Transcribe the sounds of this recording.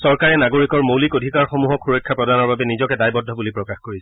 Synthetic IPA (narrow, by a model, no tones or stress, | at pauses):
sɔɹkaɹɛnaɡoɹikɔɹmowlikodʱikaɹxomuɦɔkxuɹɔkʰːapɹɔdanɔɹbabɛnizɔkɛdajbɔdʱɔbulipɹɔkaxkoɹisɛ